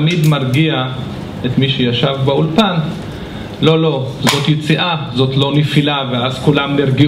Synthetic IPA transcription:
mid̪maʁɡia | et̪miʃejaʃavbeulpan | lo̞lo̞zo̞t̪jet͡siʔazo̞tlo̞nefilaveazkulamniʁɡi

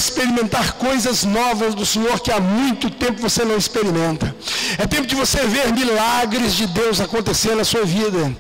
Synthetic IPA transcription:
ispeɾimẽnt̪aɾkojzɐznɔvɐzd̪ʊsẽɲoɾkɪamũj̃t̪ʊt̪ẽpʊkvosenɐ̃w̃ispeɾimẽnt̪ɐɛt̪ẽmpʊd͡ʒɪvoseveɾmilaɡɾɪzd͡ʒɪd̪ewzakõnt̪eseɾnɐsuɐvid̪ɐ

